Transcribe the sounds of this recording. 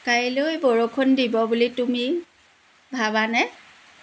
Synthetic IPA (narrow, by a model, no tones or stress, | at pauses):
kajilojboɹokʰondibɔbulitumi | bʱabanɛ